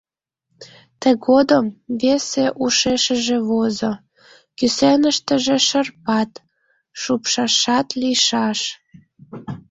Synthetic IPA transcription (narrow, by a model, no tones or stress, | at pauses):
t̪eɣod̪əmveseʔuʃeʃə̆ʒeβozo | kysenəʃt̪ə̆ʒeʃərpɑt̪ | ʃupʃɑʃɑt̪liʃɑʃ